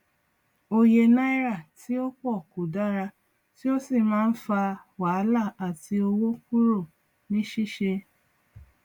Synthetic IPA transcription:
o˧je˧na˦i˦ɾa˦˨ti˦o˦k͡pɔ˦˨ku˨da˦ɾa˧ | ti˦o˦si˦˨mãː˦n̩˦fa˧wa˨˦la˦˨a˨ti˧o˧wo˦ku˦ɾo˦˨ | nĩ˨˦ʃi˦ʃe˧

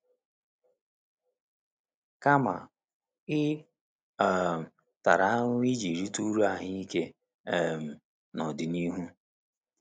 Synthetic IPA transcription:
ka˦ma̰˨ | ɪ˦ | a˨m̩˨ | ta˨ɾa˦ŋ˦i˦d͡ʒi˨ɾi˦tu˦ɾu˦a˨ɦɪ˦i˦ke˦ | ɛ˦˨m̩˨ | nɔ˨dɪ˨ni˦ɦu˦

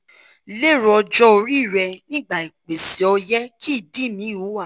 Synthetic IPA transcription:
le˦˨ɾɔ˧d͡ʒɔ˦o˧ɾi˦˨ɾɛ˧nĩ˦ɡ͡ba˦˨i˨k͡pe˨si˨ɔ˧jɛ˦kʰi˦˨di˦˨mĩ˨˦˨wu˨˦a˦˨

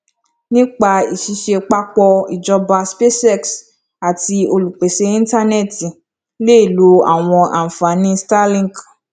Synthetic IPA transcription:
nĩ˦k͡pa˧i˨ʃi˨˧˦ʃe˧k͡pa˦k͡pɔ˧i˨d͡ʒɔ˧ba˧spe˦sɛ˦˨ks | a˨ti˧o˧lu˨k͡pe˨se˦ĩ˦ta˦nɛ˦˨ti˨ | le˦˨lu˨˦a̰˦˨w̃ɔ̃˧a̰˨m̩˨fa˨˦nĩ˦sta˦lĩ˦˨ɡ

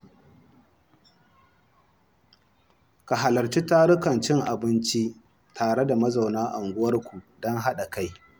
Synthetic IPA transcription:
ka˨ɦa˨lɐ˨rt͡ʃi˦taː˦ɽʊ˦kɐ˨nt͡ʃɪ˦ŋʔa˨bɪ˦nt͡ʃi˦ | tʰaː˨ɽe˦da˨mɐ˦za˨wnaː˦ʔa˨ŋɡʷʊ˦wɐ˦rkʷu˨dɔ˦ŋɦa˦ɗa˨ka˦j

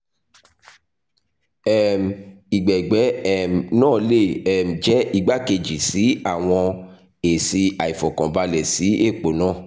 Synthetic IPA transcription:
ɛ˦˨m̩˨ | i˨ɡ͡bɛ˨ɡ͡bɛ˨˦ɛ˦˨m̩˨nãː˦˨le˦˨ɛ˨m̩˨d͡ʒɛ˦i˧ɡ͡ba˦ke˧˨d͡ʒi˨si˨˦a˦˨w̃ɔ̃˧ | e˨si˧a˨i˨fɔ̃˨kɔ̃˨ba˧lɛ˨si˨˦e˦˨k͡po˨˦nãː˦˨

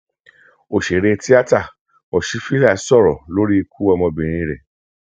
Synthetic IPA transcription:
o˨ʃe˨ɾe˧ti˦a˦ta˦˨ | ɔ˨ʃi˨˦fi˦la˦˨˦sɔ˦˨ɾɔ˨lo˦ɾi˦e˧kʰu˦ɔ˧mɔ̃˧bĩ˨ɾ̃ĩ˧ɾɛ̰˨

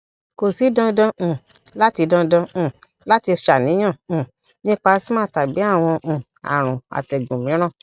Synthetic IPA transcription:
ko˨si˨˦dã˧dã˧ũ˨ | la˦ti˧dã˧dã˧ũ˨ | la˦ti˧ʃa˨nĩ˨˦j̃ã˦˨ũ˨ | nĩ˦k͡pa˧˦si˦mãː˦˨ta˨bi˨˦a˦˨w̃ɔ̃˧ʔũ˨ | a̰˨ɾ̃ũ˨a̰˨tɛ˨ɡũ˨mĩ˨˦ɾ̃ã˦˨

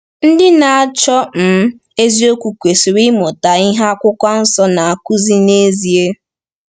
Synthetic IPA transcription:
n̩˦dɪ˦na˨a˨t͡ʃɔ˦m̩˨˦ | e˦zi˦o˦kʷu˨kʷe˨si˨ɾi˦mʊ˨ta˨i˦ɦa˦a˦kʷʊ˦kʷa˦n̩˦sɔ˦na˨a˨ku˦zi˦ne˦zi˨e˦

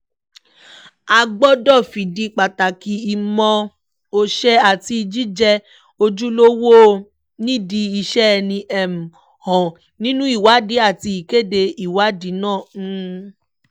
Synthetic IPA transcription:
a˧ɡ͡bɔ˦dɔ˦˨fi˨di˧k͡pa˨ta˨ki˨i˨˧mɔ̃˧ | o˧ʃɛ˦a˦˨ti˧i˧d͡ʒi˦d͡ʒɛ˧ | o˧d͡ʒu˦lo˦wo˦˨ | nĩ˦˨di˧i˧ʃɛ˦˧nĩ˧ʔɛ˨m̩˨ | hɔ̃˨ | nĩ˦nũ˦i˦˨wa˨˦di˨˦a˦˨ti˧i˨ke˦˨de˧i˨wa˨˦di˨˦nãː˦˨˧

